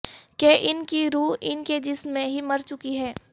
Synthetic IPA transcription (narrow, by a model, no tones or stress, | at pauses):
keʔɪnkiɾuːɦɪnked͡ʒɪsmːẽɦimɐɾt͡ʃʊkiɦɛː